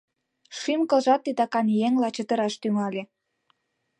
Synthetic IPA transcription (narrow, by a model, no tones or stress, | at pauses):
ʃimkɤ̆lʒɑt̪ːid̪ɑkɑnjeŋlɑt͡ɕə̆t̪ə̆ɾɑʃt̪yŋɑlʲe